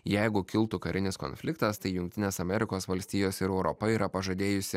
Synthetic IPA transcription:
jɛɪɡʊkʲɪlˠt̪ʊkɐɾʲʔɪnʲɪsko̰nʲfʲlʲɪkt̪ɐst̪ɐɪjʊŋk̚ʲt̪ʲɪnʲeːsɐmʲɛɾʲɪkoːsʋɐlʲsʲt̪ʲiːjoːsɪɾɛʊɾɔpɐiːɾɐpɐʒɐd̪ʲeːjʊsʲɪ

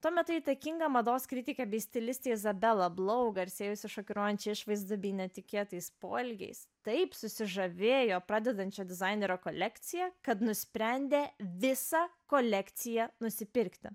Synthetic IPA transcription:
t̪uɔmʲɛt̪ʊiːt̪ɐkʲɪŋɡɐmɐd̪oːskɾʲɪt̪ʲɪkʲɛbʲɛɪsʲt̪ʲɪlʲɪsʲt̪ʲeːɪzɐbʲɛlˠɐblˠɐʊɡɐɪɾʲsʲeːjʊsʲɪʃoːkʲʊɾoːjɛnʲt͡ʃʲɛɪʃʋɐɪzd̪ɐbʲɛɪnʲɛt̪ʲɪkʲeːt̪ɐɪspo̰ːlʲɡʲɛ̰ɪst̪ɐɪpsʊsʲɪʒɐʋʲeːjoːpɾɑːd̪ʲɛd̪ɐnʲt͡ʃʲoːd̪ʲɪzɐɪnʲeɾʲoːkolʲɛkt̪sʲɪjɛkɐt̪nʊsʲpʲɾʲɛnʲd̪ʲeːʋʲɪsɑkoːlʲɛkt̪sʲɪjɛnʊsʲɪpʲɪɾʲkt̪ʲɪ

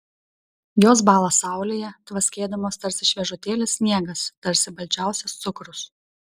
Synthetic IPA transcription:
joːsbɑːlˠɐsɑˑʊlʲeːjɛt̪ʋɐsʲkʲeːd̪ɐmoːst̪ɐɾʲsʲɪʃʲʋʲɛʒʊt̪ʲeːlʲɪsʲsʲnʲiɛɡɐst̪ɐɾʲsʲɪbɐlʲt͡ʃʲæˑʊsʲɛst̪sʊkɾʊs

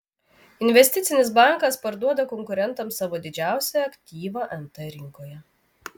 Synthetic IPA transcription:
ɪnʲʋʲɛsʲt̪ʲɪt̪sʲɪnʲɪsbɑˑŋˑkɐspɐɾd̪uɔd̪ɐkɔŋkʊɾʲɛnt̪ɐmsɑʋoːd̪ʲɪd͡ʒʲæˑʊsʲɛjɐkʲt̪ʲiːʋɑːʔɛnt̪ɛɾʲɪŋkoːjɛ

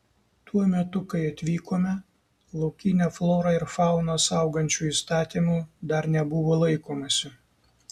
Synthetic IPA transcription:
t̪uɔmʲɛt̪ʊkɐɪɐt̪ʲʋʲiːkoːmʲɛ | lˠɒʊkʲinʲɛːflˠoːɾɑɪɾfɑˑʊnɐsɑˑʊɡɐnʲt͡ʃʲuːiːst̪ɑːt̪ʲiːmuːd̪ɐɾnʲɛbʊʋoːlˠɐɪkoːmɐsʲɪ

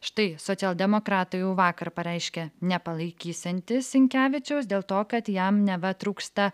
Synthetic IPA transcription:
ʃt̪ɐɪsoːsʲɛːlˠʲd̪ʲɛmoːkɾɑːt̪ojʊʋɑːkɐɾpɐɾʲɛɪʃʲkʲɛnʲɛpɐlˠɐɪkʲiːsʲɛnʲt̪ʲɪsʲɪŋʲkʲæːʋʲɪt͡ʃʲɛʊsd̪ʲeːlˠt̪oːkɐt̪jɛmnʲɛʋɐt̪ɾuːkst̪ɐ

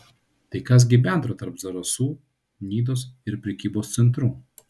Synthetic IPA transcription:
t̪ɐɪkɐs̬ɡʲɪbʲɛˑnt̪ɾoːt̪ɐɾpzɐɾɐsuː | nʲiːd̪oːsɪɾpʲɾʲɛkʲiːboːst̪sʲɛnt̪̬ɾuː

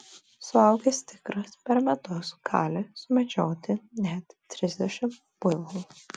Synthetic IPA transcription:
sʊɐʊɡʲɛst̪ʲɪkɾɐspʲɛɾmʲɛt̪ʊsɡ̥ɑːlʲɪsʊmʲɛd͡ʒʲoːt̪ʲɪnʲɛt̪ːʲɾʲɪzʲd̪ʲɛʃʲɪm | b̥ʊʋoː

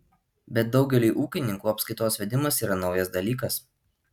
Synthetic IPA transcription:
bʲɛt̪̚d̪ɒʊɡʲɛlʲiɪʔuːkʲɪnʲɪŋkuːɐpskɐɪt̪oːsʋʲɛd̪ʲɪmɐsiːɾɐnɒʊjɛsd̪ɐlʲiːkɐs

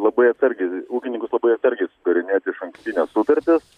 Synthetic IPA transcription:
lˠɐbɐɪɐt̪sɐɾʲɡʲɛɪuːkʲɪnʲɪŋkʊslˠɐbɐɪɐt̪sɐɾʲɡʲɛɪsʊɡɐɾʲɪnʲeːt̪ʲɪɪʃɐŋksʲt̪ʲinʲɛssʊt̪ɐɾʲt̪ʲɪs

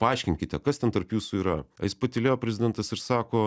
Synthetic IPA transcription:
pɐɑɪʃʲkʲɪŋʲkʲɪt̪ʲɛkɐst̪ʲɛnt̪ɐɾpjuːsuiːɾɐɐ̰jɪspɐt̪ʲɪlʲeːjoːpʲɾʲɛzʲɪdʲɛnt̪ɐsɪɾsɑːkoː

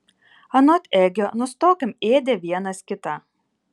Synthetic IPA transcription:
ɐnɔt̪ʲeɡʲoːnʊst̪oːkʲɪmeːd̪ʲeʋʲiɛnɐskʲɪt̪ɑ

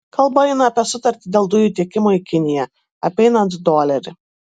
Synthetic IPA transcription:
kʰɐlˠbɐjɪnɐɐpʲiɛsʊt̪ɐɾʲt̪ʲɪd̪ʲeːlˠd̪ʊjuːt̪ʲiɛkʲɪmoːikʲɪnʲɪjɛ | ɐpʲɛɪnɐnt̪d̪oːlʲɛɾʲɪ

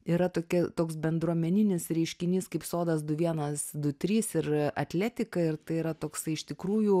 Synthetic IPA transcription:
iːɾɐt̪oːkʲɛt̪oːksbʲɛnd̪ɾuɔmʲɛnʲɪnʲɪsɾʲɛɪʃʲkʲɪnʲiːskɐɪpsoːd̪ɐs̬d̪ʊʋʲiɛnɐsd̪ʊt̪ʲɾʲiːsɪɾɐt̪ʲlʲæːt̪ʲɪkɐɪrt̪ɐɪiɾɐt̪oːksɐɪɪʃt̪ʲɪkɾuːjuː

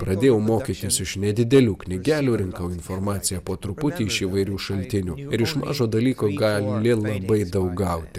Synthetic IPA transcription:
pɾɐd̪ʲeːjɛʊmoːkʲiːt̪ʲɪsɪʃnʲɛd̪ʲɪd̪ʲɛlʲuːkʲnʲɪɡʲæːlʲuːɾʲɪŋkɐʊɪnfoɾmɑːt̪sʲɪjɛpoːt̪ɾʊpʊt̪ʲiːɪʃiːʋɐɪɾʲuːʃɐlʲt̪ʲɪnʲuːɪɾɪʃmɑ̰ːʒoːd̪ɐlʲiːkoːɡɑllʲɪlˠɐbɐɪd̪ɐʊkɡɐʊt̪ʲɪ

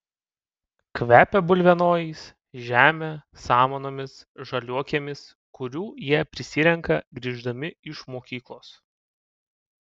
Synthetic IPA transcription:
kʋʲæːpʲɛbʊlʲʋʲɛnoːjiːs | ʒʲæːmʲe | sɑːmoːnoːmʲɪs | ʒɐlʲuɔkʲeːmʲɪs | kʊɾʲuːjiɛpʲɾʲɪsʲɪɾʲɛŋkɐɡɾʲiːʒd̪ɐmʲɪɪʃmoːkʲiːklˠoːs

